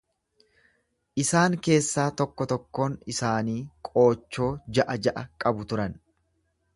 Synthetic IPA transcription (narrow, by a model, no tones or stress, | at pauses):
ʔɪsaːŋke̞ːsːaːt̪ɔkːɔt̪ɔkːo̞ːnɪsaːniːkʼo̞ːt͡ʃːo̞ːd͡ʒɐʔɐd͡ʒɐʔɐkʼɐbʊt̪ʊɾɐn